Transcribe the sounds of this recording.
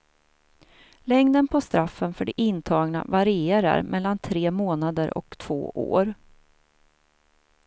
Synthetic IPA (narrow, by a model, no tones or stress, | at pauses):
lɛŋd̪ənpʰɔst̪ɾafːənfœɖɛʔɪnt̪ʰɑːɡna̰vaɾɪeːɾa̰ɾmʔɛlːant̪ʰɾeːmoːnad̪əɾʔɔ̰kt̪ʰv̥o̰ːʔo̰ːɾ